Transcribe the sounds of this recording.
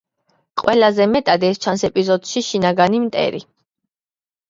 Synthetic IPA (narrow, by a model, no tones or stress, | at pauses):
qʼwɛlazɛmɛt̪ʼad̪ɛst͡ʃʰansɛpʼizɔd̪̥ʃiʃinaɡanimt̪ʼɛ̰ɾḭ